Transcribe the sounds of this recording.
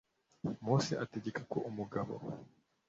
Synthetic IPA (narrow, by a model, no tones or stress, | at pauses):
muːsiʔateɟekakoʔumuɡaβo̰